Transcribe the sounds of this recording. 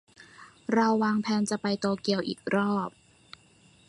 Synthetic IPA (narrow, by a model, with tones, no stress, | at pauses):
ɾa˧wːaː˧ŋpʰɛː˧nt͡ɕa˨˩pa˧jt̪oː˧ki˧əwʔḭː˨˩k̚ɾɔː˥˩p̚